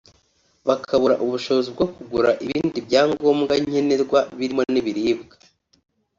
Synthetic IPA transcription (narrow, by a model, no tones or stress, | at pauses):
βakʰaβuɾaʔuβuʃo̞βozib̚ɡo̞kuɡuɾaʔiβiːndibɟaːŋɡo̞ːmɡaɲ̥e̞ne̞ɾɡwaβiɾimo̞niβiɾiːbɡa